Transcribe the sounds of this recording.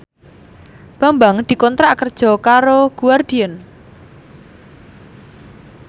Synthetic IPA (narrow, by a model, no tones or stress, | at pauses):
b̥a̤mbaŋd̪̥i̤kɔnt̪ɾakərd̥ʒ̥ɔ̤kaɾoɡ̥uard̪̥iɛn